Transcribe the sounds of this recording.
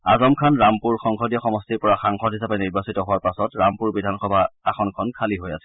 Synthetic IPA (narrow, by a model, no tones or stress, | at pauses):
a̰zɔmkʰanɹampuɹxɔŋxʰɔdijɔxɔmɔstiɹpɔɹaxaŋxɔdɦisapɛniɹbasitɔɦʊwaɹpasɔtɹampuɹbidʱanxɔbʱaaxɔnkʰɔnkʰaliɦojasɛ̥